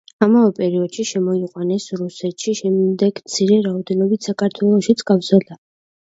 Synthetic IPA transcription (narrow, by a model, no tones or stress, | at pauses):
amavɛpʼɛɾiɔd̪̥ʃiʃɛmɔiqʼwanɛsɾusɛt̪ʃiʃɛmd̪ɛɡ̥mt̪sʰiɾɛɾaɔd̪ɛnɔbit̪ʰsakʰaɾt̪ʰwɛlˠɔʃit̪sʼkʼavzɛla